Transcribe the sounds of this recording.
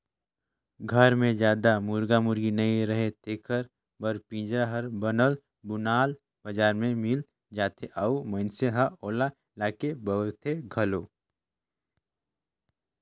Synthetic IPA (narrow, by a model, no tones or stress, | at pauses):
ɡʱɐɾmẽd͡ʒjaːd̪amʊɾɡamʊɾɡinɐĩɾəɦet̪eːkʰəɾ | bɐɾpĩːd͡ʒɾaɦəɾbɐnəl | bʊnaːl | bɐd͡ʒaːɾmẽmɪl | d͡ʒaːt̪ʰeʔəuməɪnseɦaoːla | laːkebət̪ʰeɡʱɐloː